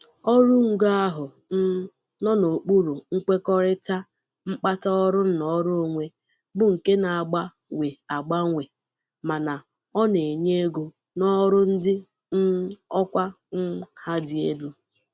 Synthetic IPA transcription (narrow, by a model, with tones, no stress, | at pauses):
ɔ˦ɾʊ˦ŋ̩˦ɡa˦ɦʊ˨˦ | nɔ˦no˨k͡pu˦ɾu˨ŋ̩˦k͡pe˦kɔ˦ɾɪ˦ta˦ | ŋ͡m̩˦k͡pa˦ta˦ɔ˦ɾʊ˦n̩˦nɔ˦ɾʊ˦o˨ŋʷe˦ | bʊ˨ŋ̩˨ke˦na˨a˨ɡ͡ba˦ | we˨a˨ɡ͡ba˦ŋʷe˨ | ma˨na˨ | ɔ˦ne˨e˨ɲe˦ɡo˨ | nɔ˦ɾʊ˦n̩˦dɪ˦ | n̩˦ɔ˦kʷa˦ | ŋ̩˦ha˦dɪ˨e˦du˦